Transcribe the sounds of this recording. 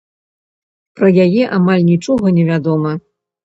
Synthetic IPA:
pɾɐjajɛʔamalʲnʲit͡ʂɔɣɐnʲɛvʲad̪ɔmɐ

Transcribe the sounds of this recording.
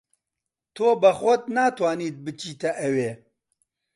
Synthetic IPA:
t̪ʰoːbɐxʊd̪̚naːt̪ʰwaːniːt̪̚bɨt͡ʃiːt̪ɐʔɛweː

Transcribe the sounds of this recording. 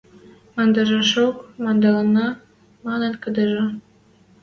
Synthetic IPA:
mɑnd̪ɑʒɑʃokmɑnd̪ɑlɑnɑ | mɑnə̆nkəd̪əʒɤ̆

